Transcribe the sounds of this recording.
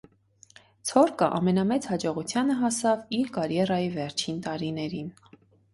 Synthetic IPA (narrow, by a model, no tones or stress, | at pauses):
t͡sʰɔɾkəʔɑ̰mɛnɑmɛt͡shɑd͡ʒɔʁut͡sʰjɑnəɦɑsɑviɾkɑɾjɛrɑjivɛɾt͡ʃʰint̪ɑɾinɛɾin